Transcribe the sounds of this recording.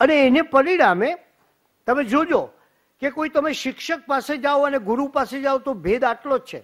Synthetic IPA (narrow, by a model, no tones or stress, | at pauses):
əneːnepəɾiɽame | t̪əmed͡ʒod͡ʒo | kekoit̪əmeʃɪkʃək̚pased͡ʒaoəneɡʊɾupased͡ʒaʋot̪obʱed̪aʈlot͡ʃʰḛ